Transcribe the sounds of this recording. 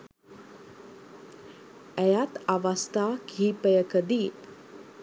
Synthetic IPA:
ɛjat̪aʋast̪aːkʰiːpəjəkəd̪iːt̪

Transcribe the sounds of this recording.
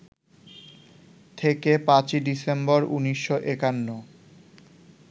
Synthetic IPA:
t̪ʰekepãt͡ɕiɖisembɔɾuniʃːoʔekanːo

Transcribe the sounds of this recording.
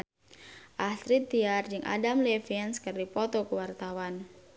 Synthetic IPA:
ʔasɾit̪ːiard͡ʒɨŋʔa̰damlɛfɛnskɨrdipɔt̪ɔkuwart̪awan

